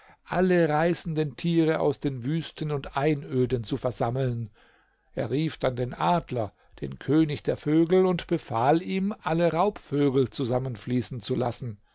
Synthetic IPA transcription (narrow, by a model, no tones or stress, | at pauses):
ʔaləʁaɪsn̩dəntʰiːʁəa̰ʊsd̥eːnvyːstən̩ʊntʔaɪnʔøːdənt͡sufɛɐzaml̩n | ʔeːɐʁiːfd̥andeːnʔaːdlɐ | d̥ḛːnkʰøːnɪçd̥eːɐføːɡl̩ʊntb̥əfaːliːmʔaləʁaʊpføːɡl̩t͡suzamənfliːsn̩t͡sula̰sn̩